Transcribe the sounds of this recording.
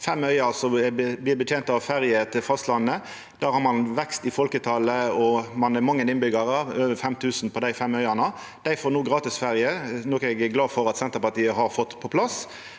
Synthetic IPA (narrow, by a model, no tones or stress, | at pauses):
fɛmœʏɑɑsɔblɪːbət̪jeːnt̪ɑʋfæɾjət̪ʰɪlfɑst̪lɑnːə | d̪æːɾhɑɾmɑnʋɛkst̪ɪfɔlkət̪ʰɑləɔmɑnɛmɑŋːənɪnbʏɡəɾəøːʋəɾfɛmt̪ʰʉːsn̩pʰɔd̪æɪfɛmːœʏɑnɑ | d̪̥æɪfoːnuːɡɾɑːt̪ɪsfæɾjənɔkɛɡɡlɑːfɔɾɑt̪sɛnt̪əɾpɑt̪iːəɦɑɾfɔt̪ːpʰɔpʰlɑs